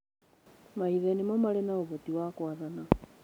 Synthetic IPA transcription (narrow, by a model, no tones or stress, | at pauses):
maiðɛnemɔmalenaoβotiwakwaðana